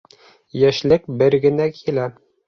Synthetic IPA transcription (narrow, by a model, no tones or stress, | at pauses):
jæʃlɘk̚bɘɾɡɘ̆nækʰilæ